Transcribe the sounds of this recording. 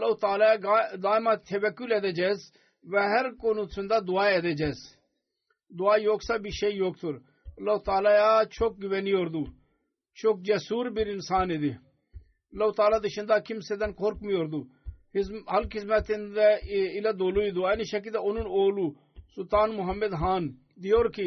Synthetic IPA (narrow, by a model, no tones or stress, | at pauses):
lat̪aːlajaːd̪aːjmãːt̪ʰeʋɛkulɛːd̪eːd͡ʒɛːs | ʋɛɦɛɾkonut͡sʰʊnd̪aːd̪ʊaːɛd̪eːd͡ʒɛːs | d̪ʊaːjoːɡsaːbiʃejoːɡ̚t̪ʰʊɾ | ɐlaut̪aːlaːjaːt͡ʃʰok̚ɡɪʋenioɾd̪uː | t͡ʃʰok̚d͡ʒɛsuːɾbiɾɪnsaːned̪i | lɐut̪aːlaːd̪ɪʃɪ̃nd̪aːkɪmsed̪ɐnkʰoɾkmioɾd̪uːhɪsɦɐlkɪs̬mɛt̪ɪnd̪ɛɪlad̪oːluːid̪ʊaːniʃɐk̬id̪aʊnunoːluː | sʊt̪aːnmʊɦɐmːed̪ɦaːn | d̪ioːɾki